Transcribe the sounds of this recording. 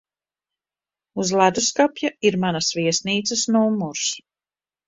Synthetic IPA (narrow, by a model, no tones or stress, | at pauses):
uzlˠad̪uskapʲjaiɾmanasviɛsniːt̪səsnuːmːuɾs